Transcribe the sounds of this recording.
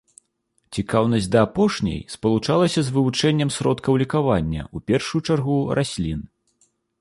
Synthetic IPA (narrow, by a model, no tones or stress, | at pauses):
t͡sʲikawnɐsʲd̪ɐːpɔʂnʲɐ̰jspɐlˠut͡ʂalˠɐsʲɐzvɨvut͡ʂɛnʲːɐmsɾɔt̪kɐwlʲikavanʲːɐ̰upʲɛrʂujut͡ʂarɣurʔasʲlʲin